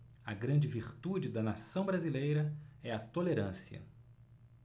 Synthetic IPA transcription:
ɐɡɾɐ̃nd͡ʒɪviɾt̪ud͡ʒɪd̪ɐnasɐ̃w̃bɾazilejɾɐɛɐt̪oleɾɐ̃siɐ̰

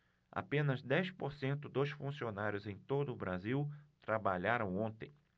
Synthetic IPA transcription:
a̰pẽnɐzd̪ɛjspoɾsẽnt̪ʊd̪osfũsionaɾjʊzẽj̃t̪od̪ʊːbɾaziwt̪ɾabaʎaɾɐ̃w̃õnt̪ḛ̃j̃

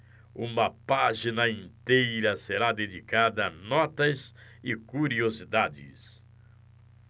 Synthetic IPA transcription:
ũmɐpaʒinɐĩnt̪ejɾɐseɾad̪ed͡ʒikad̪ɐnɔt̪ɐzɪkuɾiozid̪ad͡ʒɪ̰s

